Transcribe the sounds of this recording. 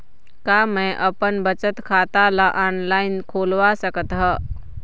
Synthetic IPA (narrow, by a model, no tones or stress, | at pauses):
kaːmɛ̃ʔəpənbət͡ʃət̪kʰaːt̪alaʔaːnlaːɪnkʰoːlʋasəkət̪ɦɛː